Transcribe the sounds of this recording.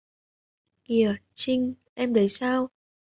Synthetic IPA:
ki˨˧˩ət͡ɕï˧ŋ̟ʔɛ˧mɗə˨˦jsaː˧w

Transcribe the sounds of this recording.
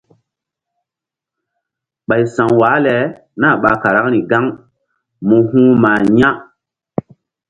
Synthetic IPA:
ɓa˨jsa˨ŋwaː˨˦lɛ˨ | na˦˨ɓa˨ka˨ɾa˦k̚ni˨ɡa˦ŋ | mũ˧hũ˦ma˨ɲã˦

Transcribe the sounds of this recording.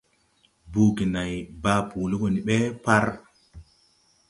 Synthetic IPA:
buː˨ki˨na˨jbaː˦puː˨li˦ko˨ni˨ɓe˦pa˦ɾ

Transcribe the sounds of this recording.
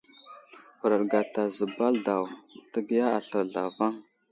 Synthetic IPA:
xɾə˨ɾɡa˨ta˨zə˨ba˦lda˨wtə˦ɡi˦ja˦a˨ɬə˨ɾɮa̰˨va˦ŋ

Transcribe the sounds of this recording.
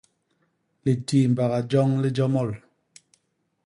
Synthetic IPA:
li˨tiː˨m̩˨ba˨ɣa˨d͡ʒɔ˦ŋli˦d͡ʒɔ˦mɔ˦˨l

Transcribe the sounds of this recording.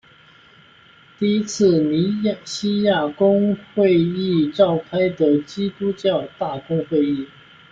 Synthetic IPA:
t̪i˥˧i˥t͡sʰɹ̩˥˩ni˧˥ɕi˥ja˥˩kʊ˥ŋxwe˥˧ɪi˥˧ʈ͡ʂɑ˥˩ʊkʰa˥ɪd̪ə˨t͡ɕi˥t̪u˥t͡ɕjɑ˥˧ʊt̪a˥˩kʊ˥ŋxwe˥˧ɪi˥˩

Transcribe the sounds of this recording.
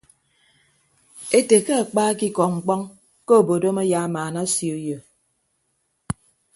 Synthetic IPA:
e˦te˨kə˦a˨k͡paː˦ki˦kɔ˨ŋ͡m̩˨k͡pɔ˦ŋ | ko˦˨bo˨do˦ma˦ja˨˦maː˨na˦sjo˨jo˨

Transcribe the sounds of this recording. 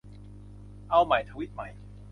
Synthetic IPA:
ʔa˧wma˨˩˦jt̪ʰaː˧wi˦˥t̪̚ma˨˩˦j

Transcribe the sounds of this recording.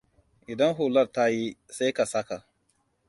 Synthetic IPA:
ʔɪ˨dɐ˦ŋɦuː˨lɐ˦rta˦ji˦sa˦jka˨sɐ˦ka˨

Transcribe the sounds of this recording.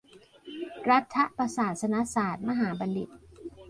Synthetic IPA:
ɾa˦˥t̪ʰːa˦˥ʔpa˧saː˨˩t̪̚sa˧na˦˥saː˨˩t̪̚ma˧ɦaː˩˦ba˧nli˨˩t̪̚

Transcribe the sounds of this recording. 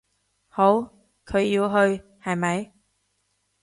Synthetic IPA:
ho˨˥w | kʰɵ˨˧ɥji˧wɦɵ˧ɥ | hɐ˨jmɐ˨˧j

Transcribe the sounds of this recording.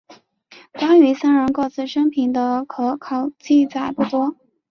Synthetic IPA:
kwa˥ny˧˥sa˥nɻə˧˥nko˥˧ʊt͡sɹ̩˥˩ʂɤ˥ŋpʰi˨˩nd̪ə˦kʰɤ˧˥kʰɑ˨˩ʊt͡ɕi˥˩t͡sa˨˩ɪpu˥˩t̪wɔ˥

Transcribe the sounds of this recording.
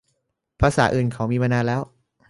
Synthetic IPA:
pʰaː˧saː˩˦ʔɯː˨˩nkʰaː˩˦wmiː˧maː˧naː˧lɛː˦˥w

